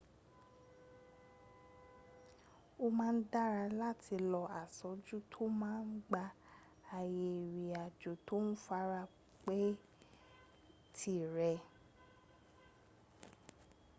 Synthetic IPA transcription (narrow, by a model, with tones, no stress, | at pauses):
o˧mãː˦n̩˦da˦ɾa˧la˦˨tʰi˧lɔ˧a˨sɔ˨˦d͡ʒu˦tʰo˦mãː˦n̩˦ɡ͡ba˧ | a˨je˨ɾi˨a˨d͡ʒo˨˦to˦n̩˦fa˦ɾa˦˧ | k͡pe˦ | tʰi˦ɾɛ˧